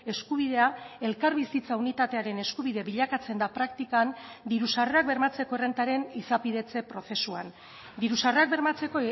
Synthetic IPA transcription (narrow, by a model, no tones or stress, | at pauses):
e̞skuβ̞iðe̞ae̞lkaɾβisit͡saunit̪at̪e̞aɾe̞ne̞skuβiðe̞βiʎakat͡se̞nd̪apɾakt̪ikand̪iɾusare̞ak̚be̞ɾmat͡se̞ko̞ere̞nt̪aɾe̞nisapið̞e̞t͡se̞pɾo̞θe̞sua̰n | d̪iɾusare̞ak̚be̞ɾmat͡se̞ko